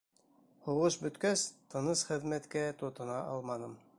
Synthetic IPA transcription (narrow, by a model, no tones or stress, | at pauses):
huʁɤʃbɵ̆t̪kæst̪ɤ̆nɤsχɘ̆ðmæt̪kæt̪ŏt̪ɤ̆nɑʔɑlˠmɑnɤm